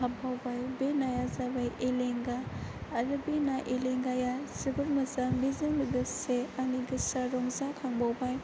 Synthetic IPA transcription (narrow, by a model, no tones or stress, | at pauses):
habʱawbajbenajazabajʔeleŋɡaːɾɯbenaʔeleŋɡajasibɯɾmɐzamizɐŋmɐɡɐseaniɡɐsaɾɔŋzakʰaŋbawbaj